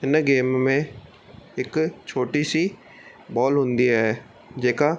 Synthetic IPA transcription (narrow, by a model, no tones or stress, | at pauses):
ɪnɡeːmmẽː | ɪkt͡ʃʰoːʈiːsiː | bɔːlɦʊ̃nd̪iːɦɛː | d͡ʒeːkaː